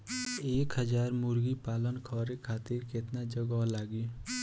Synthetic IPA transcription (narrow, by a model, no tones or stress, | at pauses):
eːkɦəd͡ʒaːɾmʊɾɡipaːlənkʰɔːɾekʰaːt̪ɪɾkɪt̪nad͡ʒəɡɔlaːɡi